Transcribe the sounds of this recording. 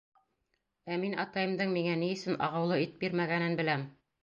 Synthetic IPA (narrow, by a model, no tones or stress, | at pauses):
æminɑ̰t̪ɑjɤ̆md̪ɤɴmiŋænijɘ̆sɘnɑ̰ʁɑ̆wlˠɤit̪̚biɾmæɡænɘnbɘ̆læm